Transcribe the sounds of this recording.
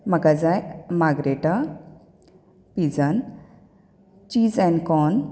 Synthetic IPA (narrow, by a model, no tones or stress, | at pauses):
makad͡zajmaɡɾeʈa | pid͡zən | t͡ʃiːzɛ̃nkɔn